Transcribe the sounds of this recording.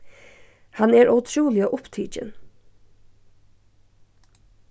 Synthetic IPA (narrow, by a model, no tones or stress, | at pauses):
hanɛːɾʔɔʊt̪ʰɹuːlɪəʔʊpt̪ʰiːt͡ʃɪ̰n